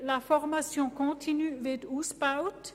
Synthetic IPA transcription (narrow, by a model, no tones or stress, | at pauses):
lafɔʁmasjɔ̃kɔ̃t̪ʰinyvɛd̪uspawt̪